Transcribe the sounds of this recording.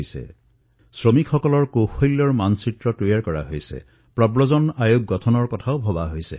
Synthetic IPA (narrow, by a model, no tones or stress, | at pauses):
jsɛ̰ | sɹomikxɔkɔlɔɹkoxojlːɔɹmansitɹɔtujaɹkɔɹa̰ɦojsɛ̰ | pɹɔbɹɔzɔnajoɡ̚ːɔtʰɔnɔɹkɔtʰaʊbʱɔbaɦojsɛ̰